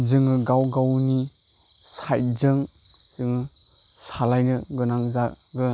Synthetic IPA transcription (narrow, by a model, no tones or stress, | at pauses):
zɯŋɯɡawɡawni | sajzɯŋ | z̥ɯŋɯ | salajɡɯɡɯnaŋza | ɡɯ